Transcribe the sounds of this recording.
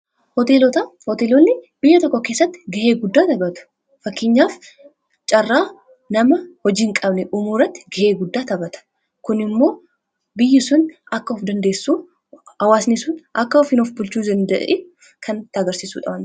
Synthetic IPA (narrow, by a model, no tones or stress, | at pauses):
hɔt̪eːlɔt̪ɐhɔt̪eːlɔnːɪbɪjːɐt̪ɔkːɔke̞ːsːɐt̪ːɪ̥ɡɐʔeːɡʊd̪ːaːt̪ɐbɐt̪ʊ̥ | fɐkːɪɲːaːf | t͡ʃʼɐrːaː | nɐmɐhɔd͡ʒiːŋkʼɐbnɛʔumuːrɐt̪ːɪ̥ɡɐʔe̞ːɡʊd̪ːaːt̪ɐbɐt̪ɐ̥ | kʊnɪmːo̞ː | bɪjːɪsʊnɐkːɐɔfd̪ɐnd̪eːsːuː | hɐwaːsnɪsʊnʔɐkːɐɔfɪnɔfbʊlt͡ʃuːd̪ɐnd̪ɐ̰ʔe | kʰɐnt̪aːɡɐɾsiːsṵːᶑɐbɐn